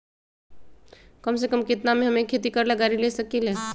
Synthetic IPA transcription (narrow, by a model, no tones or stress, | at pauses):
kəms̬ekəmkit̪nameɦəmekʰet̪ikəɾlaɡaɾilesəkile